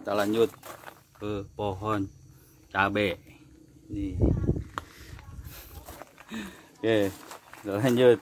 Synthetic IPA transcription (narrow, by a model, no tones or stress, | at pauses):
t̪əlaɲd͡ʒut̪̚ | kəpɔɦɔn | t͡ʃabɛʔ | ni | ket̪əlaɲd͡ʒut̪̚